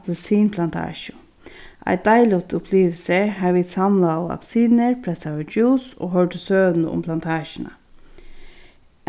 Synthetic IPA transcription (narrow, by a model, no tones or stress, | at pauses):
pləsiːnpʰlant̪ʰɑ̰ːʃʊ | ʔæ̰ɪd̪̥aɪlʊt̪ʊpʰliːʋl̩səɦaʋiːt̪samlaa̰bsiːnəɹpʰɾɛsaʋəd͡ʒuːso̰ːɦœɹʈəsøːd̪n̩ʊ̰mpʰlant̪ʰɑːʃənə̰